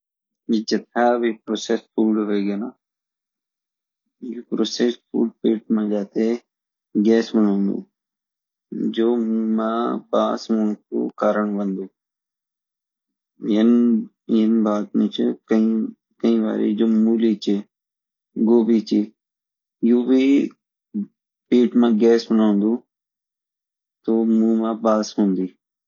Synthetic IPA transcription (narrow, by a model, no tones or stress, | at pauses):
it͡ʃɐt̪ʰaːbʱiːpɾoːsesfʰuːɖɦoɡenaː | juːpɾoːsespʰṵːɖ̚piːʈmãd͡ʒaːt̪e | ɡɛːsmənũmṵ̃ː | d͡ʒoːmãːpaːsmə̃ko̰ːkaːɾəɳʋɐ̃nd̪uː | jənː | nbaːt̪nẽt͡ʃkəĩː | kəĩːʋa̰ːɾḭːd͡ʒoːmuːliːt͡ʃeː | ɡoːbiːt͡ʃeː | juːbiː | piːʈmãːɡɛːsbənoːnd̪uː | t̪oːmũːmãːpaːsɦũːnd̪iː